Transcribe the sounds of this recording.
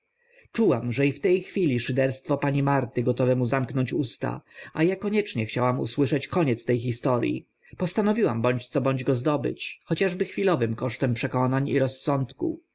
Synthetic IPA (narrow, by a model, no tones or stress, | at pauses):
t͡ʂuwamʐɛift̪ɛjxfʲilʲiʂɘd̪ɛɾst̪fɔpaɲimaɾt̪ɘɡɔt̪ɔvɛmuzamknɔɲt͡ɕust̪a̰ajakɔɲɛt͡ʂɲɛxt͡ɕawamṵswɘʂɛt͡ɕkɔɲɛt̪st̪ɛjxist̪ɔɾjḭ | pɔst̪anɔvʲiwambɔɲt͡ɕt̪sɔbɔɲd͡ʑɡɔzd̪ɔbɘ̰t͡ɕxɔt͡ɕaʐbɘxfʲilɔvɘmkɔʂt̪ɛmpʂɛkɔnaɲḭɾɔsːɔnt̪kṵ